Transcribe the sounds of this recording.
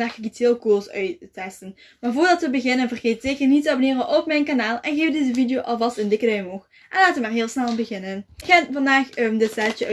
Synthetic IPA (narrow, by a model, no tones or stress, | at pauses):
aːxəɡitɪːlˠkosœɥtːɛstən | maːrvʊːrdɑtʋəbəɣɪnənvərɣeːt̚zɪxənitəɑbonɪːrənʔɔpmɛjnkanaːlˠɛnɣeːfdezəvidejoːʔɑlˠvɑstɪndɪkədœjmox | ʔɛnlaːtʋəmaːrɦɪːlˠsnɛlˠbəɣɪnənxanvɑndaːxəmdɪtsɛt͡ʃəœ